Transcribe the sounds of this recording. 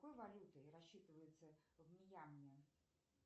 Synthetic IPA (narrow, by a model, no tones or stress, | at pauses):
ojvɐlʲut̪ɨjrɐɕːit̪ɨvəjɪt̪səvmʲɪjamnʲɪ